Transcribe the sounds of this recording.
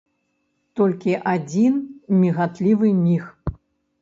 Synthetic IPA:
t̪ɔlʲkʲiʔad͡zʲinmʲiɣat̪lʲivɨmʲix

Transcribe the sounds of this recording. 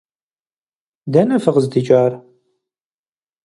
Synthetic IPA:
dɐnɐfɨʁəzd̪it͡ʃʼaːr

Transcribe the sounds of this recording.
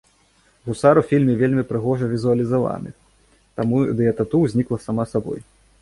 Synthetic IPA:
ɣusaɾufʲilʲmʲɛvʲelʲmʲipɾɨɣɔʐɐvʲizuɐlʲizava̰nɨ̰ | t̪amud̪ɨjɐt̪at̪uwzʲnʲiklˠɐsamasabɔ̰j

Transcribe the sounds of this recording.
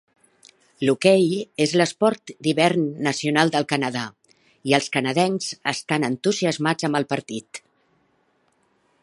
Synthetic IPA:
lukɛjezləspɔɾt̪d̪iβɛɾnːəsiunalˠd̪əlˠkənəða | iəlˠskənəðɛnz̥ə̰st̪anənt̪uziəzmad͡zəmbəlˠpəɾt̪it̪

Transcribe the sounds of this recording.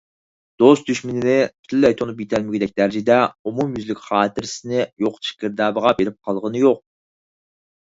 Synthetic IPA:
d̪̥ost̪̚d̪yʃmɪnɪnɪpʰy̥t̪ʰlːɛjt̪ʰonupjet̪ʰɛlmɪɡʲɪd̪ɛkʲd̪æɾd͡ʒɪd̪ɛumumjyzlɪkʲχɑːt̪ɪɾsɪnɪjoqt͡ʃʰi̥kʲɪɾd̪ɑːbəʁɑbeɾɪp̚qʰɑlˠʁənɨjoq̚

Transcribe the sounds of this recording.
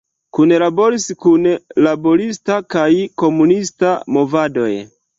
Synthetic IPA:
kunlabo̞ɾiskunlabo̞ɾistakajko̞munistamo̞vado̞̰j

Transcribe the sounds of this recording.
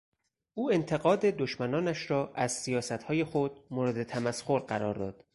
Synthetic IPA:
ʔuːe̞nt̪ʰe̞ɣɒːd̪e̞d̪oʃmænɒːnæʃɾɒːʔæz̥sijɒːsæt̪hɒːje̞xod̪̚moːɾed̪et̪ʰæmæsxoɾɢæɾɒ̰ːɾd̪ɒ̰ːd̪̥

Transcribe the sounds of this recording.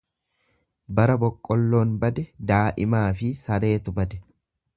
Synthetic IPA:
bɐɾɐbɔkʼːɔlːo̞ːnbɐd̪ɛd̪aːʔɪmaːfɪsɐɾe̞ːt̪ʊbɐd̪ɛ

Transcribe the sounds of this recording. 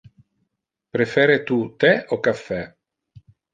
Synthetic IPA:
pɾefɛːɾet̪ut̪ɛokafːɛ

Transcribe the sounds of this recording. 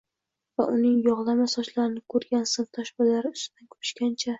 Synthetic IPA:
va̰ʔʊnɪŋjɒʁlˠamasɒʃlaɾɪnɪkʰɵɾɡʲansɨnt̪ʰaʃbalaɾɪʊst̪ɪd̪ankʰɵ̥pʰɪ̥ʃkʲant͡ʃʰa

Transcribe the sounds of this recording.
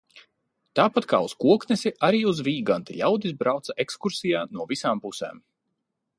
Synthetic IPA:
t̪aːpat̪ka̰ːuskuɔknɛsiʔaɾiːuzviːɡant̪iʎʲawd̪izbɾawt̪saʔekskuɾsijaːnuɔvisaːmpusɛ̰ːm

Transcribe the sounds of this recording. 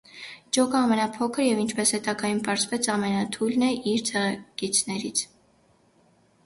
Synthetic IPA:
d͡ʒɔkəɑmɛnɑpʰɔkʰəɾjɛvint͡ʃʰpɛshɛt̪ɑɡɑjunpɑɾzvɛt͡sʰɑmɛnɑt̪ʰujlnɛʔiɾt͡sʰɛʁɛkit͡sʰnɛɾit͡sʰ

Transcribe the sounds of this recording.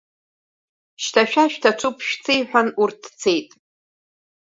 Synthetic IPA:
ʃtʰaʃᶣaʃᶣtʰaʈ͡ʂʷʰupʰʃᶣt͡sʰejħʷᶣanurtʰt͡sʰe̞jtʼ

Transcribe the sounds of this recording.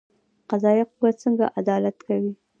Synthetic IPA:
qazɑjaqubat͡səŋɡa̰ʔad̪ɑlat̪kawi

